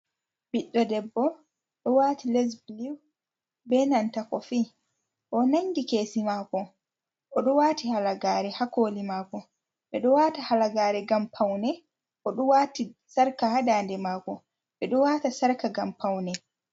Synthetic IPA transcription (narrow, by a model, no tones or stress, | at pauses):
biɗːɔdɛbːɔ | ɗɔwatilɛs̬bliw | bɛnantakɔfiː | ʔɔnaɲdikeːsimakɔ | ʔɔɗɔwaːtihalaɡaːɾɛhakoːlimaːkɔ | ɓɛɗɔwaːtahalaɡaːɾɛɡampʰawnɛ | ʔɔɗɔwaːtisaɾkahadaːndɛmaːkɔ | ɓɛɗɔwaːtasaɾkaɡampʰawnɛ